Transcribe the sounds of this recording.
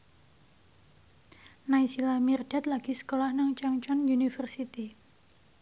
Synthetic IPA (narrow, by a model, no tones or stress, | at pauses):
naisilamird̥at̪laɡ̥isə̥kolahnaŋt͡ʃaŋt͡ʃɔnjunifərsit̪i